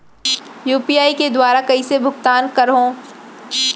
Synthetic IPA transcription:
juːpiːaːiked̪waːɾakɐisebʱʊɡt̪aːnkɐɾɦõː

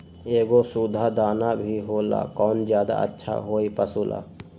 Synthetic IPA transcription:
eːɡosud̪ʱad̪aːnabʱiɦoːla̰kɔːnd͡ʒjaːd̪a̰ə̰tːʃʰa̰ɦoːipəsuːlʔa̰ː

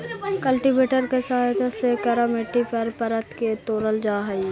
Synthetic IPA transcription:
kɐlʈibeːʈəɾkesɐɦajt̪asekɐɾameːʈːipɐɾpɐɾət̪ʰket̪oːɾəld͡ʒaːɦɐj

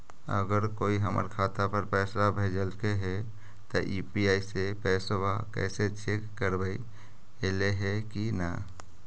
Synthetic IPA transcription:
ə̰ɡəɾkoːiɦəmə̰ɾkʰaːt̪apəɾpɛːsɾabʱeːd͡ʒəlkeɦɛ | t̪ɔʔipiaːisepɛːswakɛ̰ːset͡ʃekːəɾbəi | eleɦɛkina̰

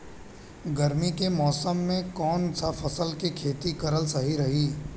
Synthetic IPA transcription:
ɡɐɾmikemɔːsəmːẽkɔːnsafʰɐsəlkikʰeːt̪ikɐɾəlsɐɦiɾɐɦiː

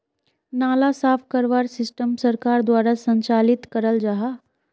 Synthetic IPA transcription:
naːlasaːpʰkəɾʋaɾsɪsʈəmsəɾkaːɾd̪waːɾasə̃ɲt͡ʃaːlit̪kəɾəld͡ʒaɦa

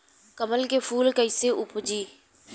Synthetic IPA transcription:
kəməlkepʰuːlkəɪseʔʊpd͡ʒiː

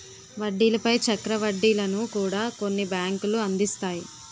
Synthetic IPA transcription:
ʋɐɖːiːlɐpɐjt͡ʃɐkɾɐʋɐɖːiːlɐnukuːɽaːko̞nːibjaːŋkuluɐnd̪ist̪aːji

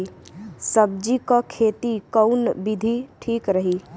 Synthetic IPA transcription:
səb̚d͡ʒikakʰeːt̪ikəʊnbɪd̪ʱiʈʰiːkɾəɦi

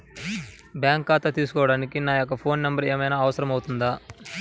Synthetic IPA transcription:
bjaːŋkːaːt̪ɐt̪iːsu̥kɔːʋɐɽaːnikinaːjokːɐpʰo̞ːnːɐmbɐɾeːmɐjnaːʋɐsɐɾɐmɐwut̪und̪aː

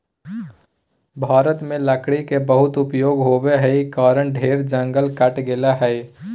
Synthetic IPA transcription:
bʱaːɾət̪mẽləkɽikebəɦʊt̪ʊpjoːɡɦoːbeɦɛikaːɾəɳɖʱeːɾd͡ʒə̃ŋɡəlkəʈɡelaɦɛɪ

